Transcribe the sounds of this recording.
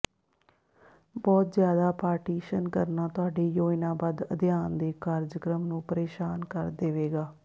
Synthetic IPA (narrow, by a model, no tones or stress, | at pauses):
bɔːt̪zjaːd̪aːpaːɾʈiːʃənkəɾnaːt̪ʊɦaːɖeːjoːɪnãːbad̪əd̪ɪjaːnd̪eːkaːɾd͡ʒəkɾəmnũːpəɾeːʃaːnkəɾd̪eːʋeːɡaː